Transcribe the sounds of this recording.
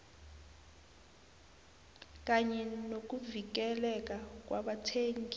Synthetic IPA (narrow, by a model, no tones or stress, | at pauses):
k̬aɲɛnok̬uvik̬ɛlɛk̬ak̬ʼwaɓatʰeŋ